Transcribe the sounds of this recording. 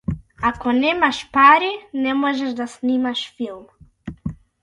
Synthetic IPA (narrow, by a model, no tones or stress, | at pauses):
akõnẽmaʃpaɾɪnẽmɔʒɐʒd̪asnimaʃfilm